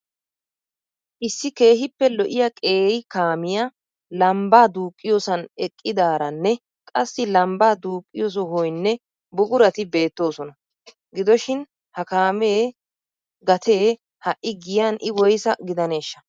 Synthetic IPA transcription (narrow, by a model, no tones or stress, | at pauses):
ʔɪsːɪke̞ːhɪpːɛlɔʔɪjɐkʼe̞ːjkaːmɪja | lɐmbaːd̪uːkʼːɪjoːsɐnɛkʼːɪd̪aːɾɐnːɛ | kʼɐsːɪlɐmbaːd̪uːkʼːɪjoːs̬ɔɦɔjnːɛ | bʊɡʊɾɐt̪ɪbe̞ːt̪ːo̞ːsɔnɐ | ɡɪd̪ɔʃɪn | hɐkaːme̞ː | ɡɐt̪ʰe̞ː | hɐʔʔɪɡɪjanʔɪwɔjsɐɡɪd̪ɐne̞ːʃːɐ